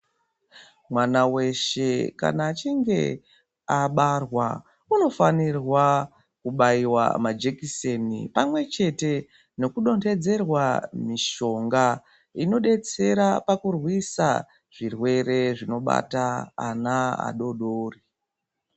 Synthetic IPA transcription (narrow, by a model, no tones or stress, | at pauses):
mwanawe̞ʃe̞ka̰naːt͡ʃiŋɡe̞̰ | aɓarwa | uno̞fanirwa | kuɓaiwa̰mad͡ʒekisenḭpamwe̞t͡ʃe̞te̞ | no̞kuɗo̞nde̞d͡ze̞rwamiʃo̞ŋɡa | ino̞ɗe̞t͡se̞ɾapakurwisa̰ | ʐ̥irwe̞re̞ʐino̞ɓa̰ta̰ːnaa̰ɗo̞ɗoːri